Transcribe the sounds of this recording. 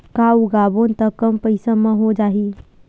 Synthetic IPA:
kaːuɡaːbont̪əkəmpəɪsamãɦod͡ʒaːɦi

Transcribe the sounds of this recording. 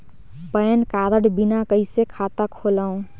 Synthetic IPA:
pəjnkaɾəɽbinakəɪsekʰat̪akʰolaũ

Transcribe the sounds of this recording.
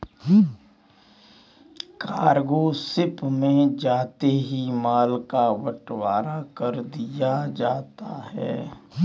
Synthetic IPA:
kaːɾɡoːsɪpmẽd͡ʒaːt̪eɦimaːlkaʋɐʈwaːɾakɐɾd̪ijad͡ʒaːt̪aɦɛ̰ː

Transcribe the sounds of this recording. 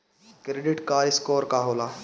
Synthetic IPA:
kɾeɖɪʈkaɪskɔːɾkaɦoːlaː

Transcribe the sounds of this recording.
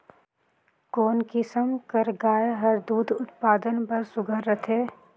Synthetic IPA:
koːnkɪsəmkəɾɡaːjɦəɾd̪uːd̪ʱʊt̪paːd̪ənpəɾsʊɡʱəɾːət̪ʰɦeː

